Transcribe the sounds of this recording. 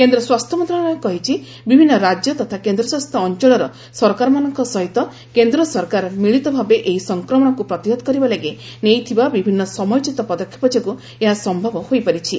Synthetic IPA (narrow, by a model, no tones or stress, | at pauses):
kend̪ɾɔswast̪ʰɔmɔnt̪ɾɔɽkɔɦit͡ʃʰi | bibʱinːɔɾad͡ʒjɔt̪ɔt̪ʰakend̪ɾɔswast̪ʰɔːnt͡ʃɔɭɔɾɔ | sɔɾkaɾɔmanɔŋkɔsɔɦit̪ɔ | kend̪ɾɔsɔɾkaɾmiɭit̪ɔbʱabeʔeɦisɔŋkɾɔmɔɽ̃ɔkupɾɔt̪iɦod̪ɔkɔɾibaleɡenejt̪ʰibabibʱinːɔsɔmɔjt͡ʃit̪ɔpɔd̪ɔkʰːjɔ̥pɔd͡ʒaku | eɦasɔmbʱɔbɔhojpaɾit͡ʃʰi